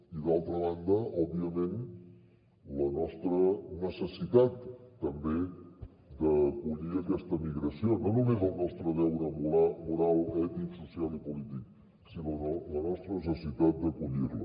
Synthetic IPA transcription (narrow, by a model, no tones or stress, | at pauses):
iðalˠt̪ɾəβ̞and̪əʔɔbiəmen | lənɔst̪ɾənəsəsit̪at̪ːəmbe | d̪əkuʎiəkɛst̪əmiɣɾəsiononumezəlˠnɔst̪ɾəðɛwɾəmuamuɾalˠɛt̪iksusialipulit̪ik̚ | sinoolənɔst̪ɾənəs̬əsit̪at̪̚d̪əkuʎirlə̰